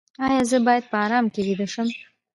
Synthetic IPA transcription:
ɑjɑzəbɑjad̪̚pəɑɾɑmkewid̪əʃəm

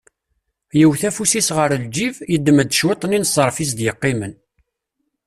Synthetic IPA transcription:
jəwθæfusisʁəɾld͡ʒivjəd̪ːəməd̪ʃwit̪ˤːəninsˤəɾˤfis̬d̪jəqːimən

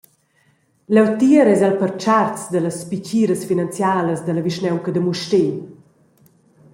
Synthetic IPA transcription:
lɛwt̪iəɾɛzalpərt͡ʃart͡sd̪ələspit͡ɕiːɾəsfinant͡sjaːləsd̪ələviʃnɛwkəd̪əmuʃte

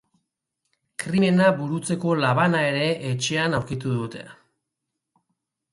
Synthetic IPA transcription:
kɾime̞naβuɾut͡se̞ko̞laβ̞anae̞ɾe̞ʔːt͡ʃe̞anawɾkit̪uðut̪e̞̰

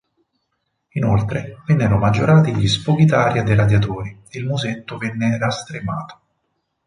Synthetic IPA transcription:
inolt̪ɾevɛnːeɾomad͡ʒːoɾaːt̪iʎispok̟it̪aːɾjad̪ejɾad̪jat̪oːɾiilmuzet̪ːovɛnːerast̪ɾemaːt̪o̥

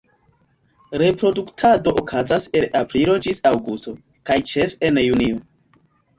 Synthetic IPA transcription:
ɾe̞pɾo̞duktʰado̞ʔokʰazase̞lapɾiɾo̞d͡ʒisawɡusto̞ | kajt͡ʃefenjunio

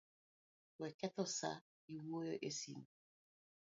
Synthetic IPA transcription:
wɛkɛtɔsa̰ | iwojɔʔesḭŋ

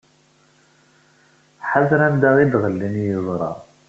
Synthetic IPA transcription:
ħaðɾænd̪aʁid̪ʁəlːinjəzˤɾˤɑ̰

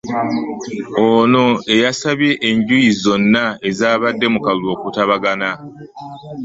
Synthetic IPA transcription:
ono̞e̞jasaβje̞ʔːɲɟujizo̞nːae̞zaːβadːe̞mukallo̞ːkutaβaɡana

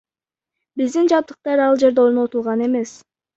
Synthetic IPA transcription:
bizd̪ind͡ʒɑp̚t̪ɯ̥q̚t̪ɑɾɑlˠd͡ʒe̞ɾd̪eoɾno̞t̪ulˠʁɑne̞me̞s

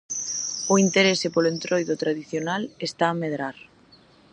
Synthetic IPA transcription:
oint̪eɾesepolent̪ɾojðot̪ɾaðiθjonalest̪aːmeðɾaɾ

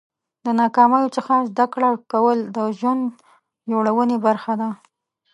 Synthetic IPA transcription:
d̪ənɑkɑmajot͡səxazd̪akɽakawəld̪əʒwand̪ | d͡ʒoɽawənebaɾxad̪a

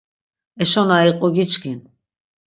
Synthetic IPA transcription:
ɛʃɔnaiqʼɔɡit͡ʃɡin

